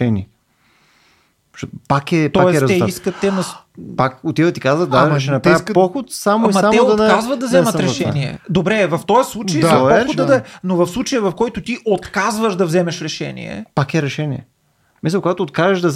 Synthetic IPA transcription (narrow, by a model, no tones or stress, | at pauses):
ɛniɛ | ʃɔpakɛp̪ɔajɛst̪ɛiskətt̪ːɛnɐs | pakot̪ivət̪ikazvət̪d̪aʃɛnɐp̪ispɔxot̪samoimɐamɛokazvɐt̪̚d̪ɐvzɛməɾɛʃɛniɛ̰d̪obɾɛvɐft̪ɔjəslˠut͡ʃɐj̪ɐpɔoɐd̪ɛnovɐfslˠut͡ʃɐjəvɐfkɔjt̪ʊt̪iʔot̪kazvəʒd̪ɐvzɛmɛʃɾɛʃɛ̰nḭɛ̰pakɛɾɛʃɛniɛ̰ | misəkoɡat̪oːt̪̚kazəʒd̪ɐz